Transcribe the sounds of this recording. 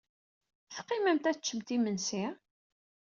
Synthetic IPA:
θqːimæmt̪æt͡ʃːəmt̪imənsi

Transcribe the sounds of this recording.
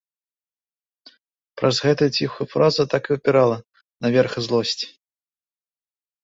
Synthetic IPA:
pɾɐzɣɛt̪ɐjut͡sʲixujufɾazɐt̪akɨupʲiɾalˠɐ | nɐvʲɛrxɨzlˠɔsʲt͡sʲi̥

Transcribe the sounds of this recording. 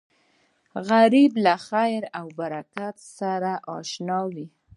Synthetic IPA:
ɣaɾiblaxajɾawbaɾakat̪saɾaʔɑʃnɑwi

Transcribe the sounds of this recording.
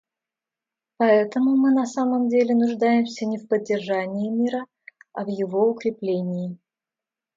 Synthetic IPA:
pɐɛt̪əmʊmɨnɐsaməmdʲelʲɪnʊʐd̪ajɪmsʲənʲɪfpədʲːɪrʐanʲɪɪmʲiɾə | ɐvjɪvo̞ʊkɾʲɪplʲenʲɪɪ

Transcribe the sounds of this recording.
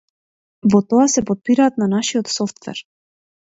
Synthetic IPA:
vɔt̪ɔasɛpɔt̪̚piɾaːt̪nanaʃiɔt̪sɔft̪vɛ̰ɾ

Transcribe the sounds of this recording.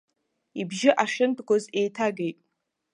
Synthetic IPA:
ibʒɪʔaʃɪntʰʼɡʷoze̞jtʰaɡejtʼ

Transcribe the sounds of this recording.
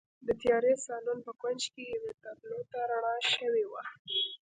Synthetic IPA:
d̪ət̪jɑɾesɑlunpəkwand͡ʒkejawet̪ab̪lot̪aɾaɽ̃ɑʃəwewa

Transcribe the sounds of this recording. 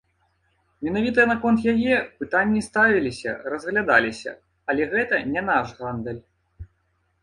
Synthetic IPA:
mʲɛnavʲit̪ɐnɐkɔnt̪jajɛpɨt̪anʲːist̪avʲilʲisʲɐ̰rɐzɣlʲad̪alʲisʲɐ̰ | ɐlʲɛɣɛt̪ɐnʲɛnaʐɣand̪ɛlʲ

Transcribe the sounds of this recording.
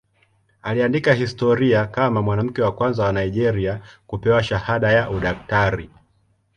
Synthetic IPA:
aliandikahistɔɾiakamamwanam̩kɛwakwanzawanaiʄɛɾiakupɛwaʃahaɗajaʔuɗaktaɾi

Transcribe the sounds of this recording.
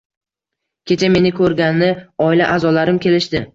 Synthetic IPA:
kʲʰe̞t͡ʃʰame̞nɪkʰɵɾɡʲanːɪɒɪlaʔazɒlaɾɪmkʲʰe̞lɪʃd̪ɪ

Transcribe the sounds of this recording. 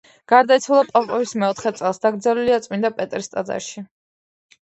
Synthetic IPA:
ɡ̥aɾd̪ait̪sʰwulˠapʼapʼɔvismɛɔt̪ʰχɛt̪sʼɛlˠsd̪aɡɾd̪zɛliliat̪sʼmind̪apʼɛt̪ʼɾist̪ʼad̪za̰ʃi

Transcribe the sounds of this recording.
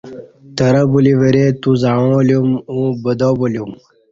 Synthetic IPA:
t̪əɾɐbuliʋɐɾet̪uzaõljumũbəd̪oboljum

